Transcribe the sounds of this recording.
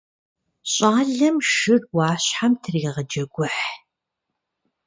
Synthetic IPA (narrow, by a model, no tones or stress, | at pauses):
ɕʼaːɮɐmʃɨrwɑːɕħamtʰɨriːʁɐd͡ʒɐɡʷʊħ